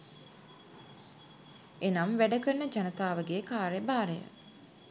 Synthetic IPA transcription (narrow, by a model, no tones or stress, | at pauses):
enamʋæɖəkəɾənəd͡ʒanət̪aːʋəɡekaːɾebaːɾejə̰